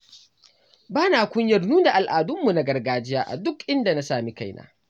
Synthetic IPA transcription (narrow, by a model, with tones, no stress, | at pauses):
baː˦naː˨kʷʊ˦ɲjɐ˨rnuː˦da˨ʔa˨lʔaː˨dʊ˦mːu˨na˦ɡɐ˨rɡaː˨d͡ʒɪ˦jaː˦ʔa̰˨dʊ˦kʔɪ˦nda˨na˦saː˨mi˦ka˦˨jna̰ː˦